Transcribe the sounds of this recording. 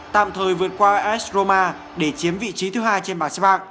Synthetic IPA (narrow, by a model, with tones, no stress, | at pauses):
t̪a̰ː˧˨mt̪ʰəː˨˩jvɨ˨˩ə˩t̚kwaː˧ʔɛ˦˥szo˧maː˧ | ɗe˧˩t͡ɕi˨˦əmvḭ˧˨t͡ɕi˨˦t̪ʰɨ˨˦ɦaː˧jt͡ɕe˧nɓaː˨˩sa˦˥ɓaː˧k̚